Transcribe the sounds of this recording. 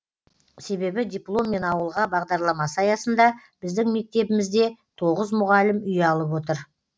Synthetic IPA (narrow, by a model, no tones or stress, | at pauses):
se̞be̞bɪd̪ʲijplˠo̞mːe̞nɑwəlˠʁɑbɑʁd̪ɑɾlˠɑmɑsəɑjɑsənd̪ɑb̥ɪzd̪ɪŋme̞k̚t̪e̞bɪmɪzd̪e̞t̪ʰo̞ʁəzmʊʁɑlɪmʏjɑlˠəpwo̞t̪̬əɾ